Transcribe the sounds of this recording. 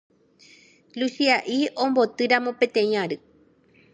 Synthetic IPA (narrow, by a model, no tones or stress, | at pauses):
lusiaʔiʔõmbot̪ɨɾamõ̞pẽ̞t̪ẽj̃ãɾɨ